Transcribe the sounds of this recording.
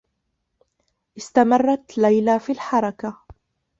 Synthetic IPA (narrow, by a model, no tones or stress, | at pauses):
ʔɪst̪amɑrˤːɑt̪lajlaːfiːlħɑɾˤɑka